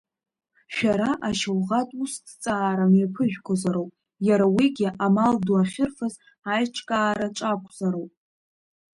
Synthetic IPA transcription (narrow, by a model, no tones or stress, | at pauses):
ʃᶣaɾaʔaʃawʁatʼustʰt͡sʼaːɾamjapʰɨʒᶣkʷʰozaɾowpʼ | jaɾawiɡʲɪʔamalduaχʲɪrfaz | ajʈ͡ʂʰʼkʼaːɾaʈ͡ʂʼakʷʰzaɾowpʼ